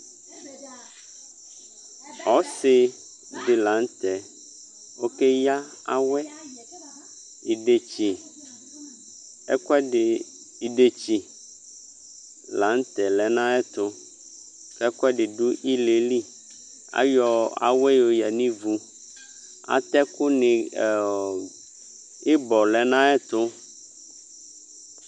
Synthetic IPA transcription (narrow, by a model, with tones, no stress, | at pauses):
ɔ˨˦sɪ˨ | dɪ˨lã˨˦n˦t̪ɛ˨ | wo˦ke˦ja˦ | a̰˦˨wɛ˦ | i˨ɖe˨t͡ʃi˨ | ɛ̰˦kɛ˦˨ | i˨ɖe˨t͡ɕi˨ | la˨˦ŋ˦t̪ɛ˨lɛ˨nã˦ɛ˦t̪ʊ˦ | kɛ˦kɔ˦ɛ˦ɖɪ˨ɖu˦ʔi˦le˨li˦ | a̰˦jɔ˨a̰˨we˦jo˨jɛ˨nĩ˦vu˨ | a̰˨t̪ɛ˦kʊ˦nɪ̃˨ | e˦bɔ˨lɛ˨nã˦ɛ˦t̪ʊ˦